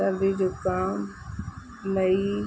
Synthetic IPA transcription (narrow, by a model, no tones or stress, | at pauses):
əɾd̪id͡ʑoːkaːm | lɐi